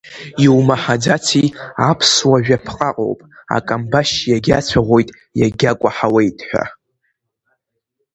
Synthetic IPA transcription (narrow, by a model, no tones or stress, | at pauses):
iwmaħad͡zatʰiapʰswaʒᶣapʰqʼaqʼo̞̰wpʼa̰kʼambaʃjaɡʲat͡ɕʷʰaʁʷo̞jtʼ | jaɡʲakʷʼaħawejtʼħʷᶣa̰